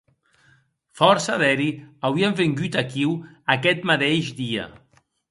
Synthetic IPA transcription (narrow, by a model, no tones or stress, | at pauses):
fɔɾsaðɛɾiawiaɱfeŋɡyt̪akiw | akɛt̪mat̪eʒd̪iə̰